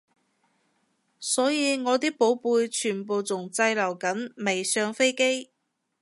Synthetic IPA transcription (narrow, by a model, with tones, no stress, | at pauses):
sɔː˨˥jiː˨˧ŋɔː˨˧t̪iː˥k̚po˨˥wpuː˧jt͡ʃʰyː˨˩npo˨˧wt͡sʊ˨˩ŋt͡sɐ˧jlɐ˨˩wkɐ˨˥nme˨˩jsœː˧ŋfe˥jke˥j